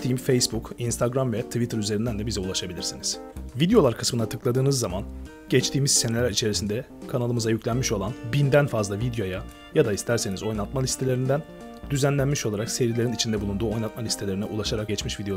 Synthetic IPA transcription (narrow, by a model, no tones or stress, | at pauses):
t̪ʰimfejsbukinst̪ʰaɡɾamvɛt̪ʰvit̪ʰɯɾyze̞ɾind̪ænd̪ɛbizɛulˠaʃabilʲiɾsiniz̥vid̪ejo̞lˠaɾkʰɯ̥smɯnat̪ʰɯklˠad̪ɯːnɯzːaman | ɟ̥ɛt͡ʃt̪ʰiːmiz̥se̞nelʲæɾit͡ʃʰe̞ɾisind̪ɛ | kʰanalˠɯmɯzajyclʲænmiʃo̞lˠanbind̪ænfazlˠavid̪jo̞ja | jad̪aist̪ʰæɾse̞nizo̞jnˠat̪̚malʲist̪ʰe̞lʲeɾind̪æn | d̪yzænlʲænmiʃo̞lˠaɾakse̞ɾilʲe̞ɾinit͡ʃʰind̪ɛbulˠund̪uːo̞jnˠat̪̚malʲist̪ʰe̞lʲe̞ɾinɛʔulˠaʃaɾak̚ɟɛt͡ʃmiʃvid̪eo